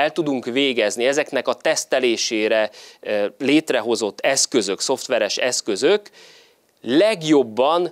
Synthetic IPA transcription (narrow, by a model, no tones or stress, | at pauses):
ɛlt̪ud̪uŋkʋeːɡɛzniɛzɛknɛkɒt̪ɛst̪ɛleːʃeːɾɛ | leːt̪rɛɦo̞zo̞t̪ːɛskø̞zø̞kso̞ft̪ʋɛɾɛʃɛskø̞zøk | lɛɡjo̞bːɒn